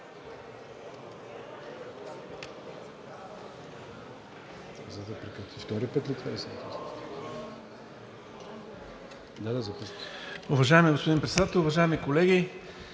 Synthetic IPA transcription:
zɐd̪ɐpɾɛkɾit̪ift̪ɔɾipɛt̪lit̪ɛisɛt̪ɛs | d̪ad̪azɐpɔsʊvɐʒaɛmiɡospod̪inpɾɛt̪sɛd̪at̪ɛlˠʊvɐʒaɛmikolɛɡʲi

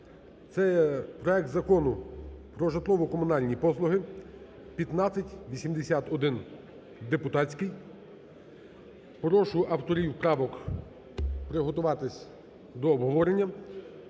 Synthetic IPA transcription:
t̪sɛpɾɔɛk̚t̪zɐkɔnʊpɾɔʒɐt̪lˠɔʋɔkɔmʊnɑlʲnʲipɔslˠʊɦɪ | pʲɐt̪nɑt͡sʲːɐtʲʋʲisʲimd̪esʲat̪ɔd̪ɪn | d̪epʊt̪ɑt͡sʲkɪj | pɾɔʃʊʔɐwt̪ɔɾʲiwpɾɑʋɔk | pɾɪɦɔt̪ʊʋɑt̪ɪsʲ | d̪ɔːbɦɔʋɔɾenʲːɐ

